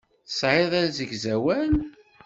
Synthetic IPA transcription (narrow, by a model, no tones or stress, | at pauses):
θə̥sʕɪðˤænzəɡzæwæn